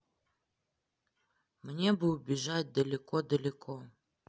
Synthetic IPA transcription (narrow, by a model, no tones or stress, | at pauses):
mnʲebɨʊbʲɪʐatʲd̪əlʲɪkod̪əlʲɪkʰo